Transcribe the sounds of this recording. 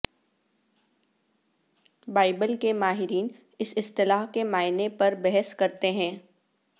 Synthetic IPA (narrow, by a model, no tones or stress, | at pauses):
baːɪbəlkemaːɦɪɾiːn | ɪsɪst̪ɪlaːɦkemaːɪnepɐɾbɛɦəskɐɾt̪eɦɛ̃ː